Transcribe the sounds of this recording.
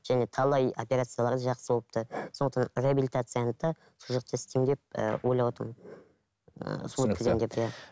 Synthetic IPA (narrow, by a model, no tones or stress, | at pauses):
ʒ̥æne̞t̪ʰɑlˠɑjopʲeɾat̪sɨjalˠɑɾd̪ɑʒɑqsəbo̞lˠə̥p̚t̪əsonət̪ɑnreabilʲit̪at̪sɨjanət̪ɑ | suʒɑq̚t̪əɪst̪e̞md̪ep̚ə̰wʔojlˠɑwɑt̪əm | sukʰʲzemd̪e̞pja